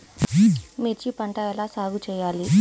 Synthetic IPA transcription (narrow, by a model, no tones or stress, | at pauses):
miɾt͡ʃipɐɳʈɐɛlaːsaːɡut͡ʃɛːjaːli